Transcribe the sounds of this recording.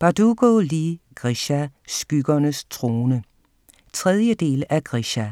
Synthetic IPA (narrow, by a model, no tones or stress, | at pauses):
b̥ɑd̥uɡ̥oliɡ̥ʁiɕæsɡ̥yɡ̥ɐnəst͡sʰʁo̝ːnə | t͡sʰʁɛð̞ˠjəd̥e̝̰ːlæɡ̥ʁiɕæ